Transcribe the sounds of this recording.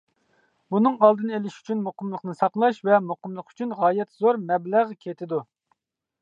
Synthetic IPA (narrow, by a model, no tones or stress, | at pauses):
bunɨŋɑlˠd̪ɨnɨelɪʃy̥t͡ʃʰynmoqəmlˠəqnɨsɑqlˠɑʃvɛmoqəmlˠəqy̥t͡ʃʰynʁɑːjɛt̪zoɾmɛblæʁkʲʰet̪ʰɪd̪u